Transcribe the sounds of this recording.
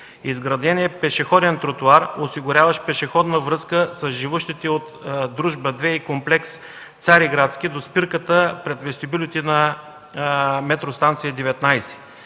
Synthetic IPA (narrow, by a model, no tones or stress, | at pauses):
izɡɾɐd̪ɛnʲiɛpɛʃɛxɔd̪ɛnt̪ɾot̪uaɾosiɡʊɾʲavəʃpɛʃɛxɔd̪nəvɾɤskəsɐzʒivuʃt̪it̪ɛot̪d̪ɾuʒbəd̪vɛikomplɛks | t̪saɾiɡɾat̪sk̟id̪ospiɾkət̪əpɾɛt̪vɛsʲt̪ibilʲit̪inɐ | mɛt̪ɾost̪ant̪sijɛd̪ɛvɛt̪najsɛ̥